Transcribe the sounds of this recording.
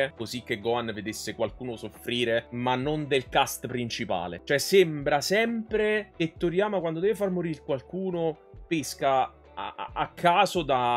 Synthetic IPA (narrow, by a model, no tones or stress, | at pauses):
kozik̟ːeɡːɔanved̪esːekwalkuːnosofːɾiːɾemanːond̪elkast̪pɾint͡ʃipa̰ːlḛt͡ʃoɛsembɾasɛmpɾeket̪ːoɾjaːmakwand̪od̪ɛːvefarmoɾilkwalkuːno | peskaː | kʰːaːzod̪a